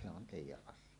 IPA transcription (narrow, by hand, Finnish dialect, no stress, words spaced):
seʔ se on teˑijˑæʔ ʔɑsˑie